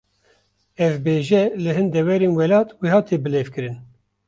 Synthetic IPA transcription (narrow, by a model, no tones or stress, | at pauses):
ɛvbeːʒɛlɨɦɨnd̪ɛwɛɾeːnwɛlɑːt̪wehɑːt̪ʰeːbɨleːvkɨɾɨn